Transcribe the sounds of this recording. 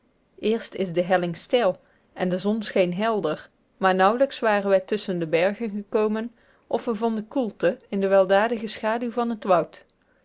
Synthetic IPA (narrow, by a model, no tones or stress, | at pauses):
ʔɪːɹstɪzdəɦɛlɪŋstɪlˠ | ʔɛndəzɔnsχejnɦɛlˠdəɹ | maːɹnʌwləksʋaːrənʋɛjtɵsəndəbɛɹɣənχəkowmən | ʔɔfʋəvɑndəkulˠtəɪndəʋɛlˠdaːdəɣəsχaːdywvɑnɦətʋʌwt